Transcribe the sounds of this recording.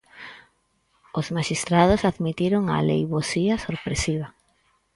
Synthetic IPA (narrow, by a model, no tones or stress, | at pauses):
ozmaʃist̪ɾað̞osaðmit̪iɾoŋa̰lḛjβosiasoɾpɾesiβ̞a